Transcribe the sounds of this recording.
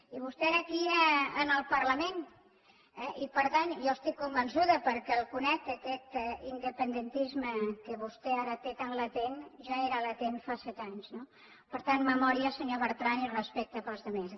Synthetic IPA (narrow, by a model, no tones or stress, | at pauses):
iβ̞ust̪ɛɛɾakiəənəlˠpəɾləmen | ɛʔipəɾt̪anjɔəst̪ikːumbənsuðəpəɾkɛlˠkunɛk̚t̪əkɛt̪ind̪əpənd̪ənt̪izməkəβust̪ɛaɾət̪et̪anlət̪enʒaeɾalət̪enfasɛt̪aɲzno | pəɾt̪anməmɔɾiəsəɲoβəɾt̪ɾanirəspɛk̚t̪əpəlˠzðəmes